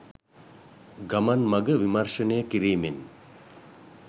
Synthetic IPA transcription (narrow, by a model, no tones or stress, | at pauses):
ɡamanmaɡəʋimarʃənəjəkiɾiːmen